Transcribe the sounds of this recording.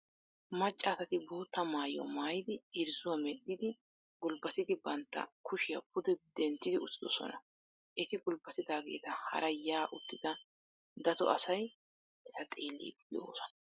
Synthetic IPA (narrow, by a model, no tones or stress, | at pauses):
mɐt͡ʃʼːaːsɐt̪ɪbo̞ːt̪ːɐmaːjɔ̰maːjɪd̪ɪɪɾzʊwɐmɛd̪ːɪd̪ɪ | ɡʊlbɐt̪ɪd̪ɪbɐnt̪ːɐ̰kʊʃɪjɐp̚ʊd̪ɛd̪ɛnt̪ːɪd̪ɪʊt̪ːɪd̪ɔsɔ̰nɐ̰ | ʔɛt̪ɪɡʊlbɐt̪ɪd̪aːɡe̞̰ːt̪ɐhɐ̰ɾɐjaːʔʊt̪ːɪd̪ɐ | d̪ɐt̪ɔ̰ʔɐsɐj | ʔɛt̪ɐt̪ʼeːlːḭːd̪ɪjo̰ːsɔ̥nɐ